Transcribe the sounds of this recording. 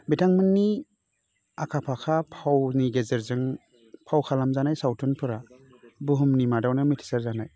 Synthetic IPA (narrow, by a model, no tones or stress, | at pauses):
bitʰaŋmɯnːi | akʰapʰakʰapʰawniɡezɯɾzɯŋ | pʰawkʰalamzanajsawtʰɔnpʰɯɾa | buɦumnimadawnɯmitʰi̥saɾzanaj